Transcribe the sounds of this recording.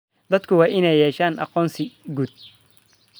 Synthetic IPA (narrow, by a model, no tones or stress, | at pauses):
d̪ɐd̪kʰʊwɑːʔɪnɛjɛːʃaːnʔɑ̰qɔːnsɪɡuːd̪̚